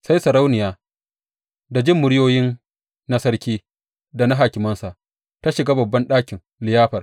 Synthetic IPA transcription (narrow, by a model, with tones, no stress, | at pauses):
sa˦jsɐ˨ɾa˦wnɪ˨jaː˦ | da˨d͡ʒɪ˦˨mːʊ˨ɽɪ˦joː˦jɪ˦nː | a˦sɐ˦ɽkʲiː˦ | da˨na˦ɦaː˨kʲɪ˨mɐ˦nsa˨ | ta˦ʃɪ˨ɡaː˦bɐ˨bːɐ˦nɗaː˦kʲɪ˨ŋ | lɪ˨jaː˦ɸɐ˨r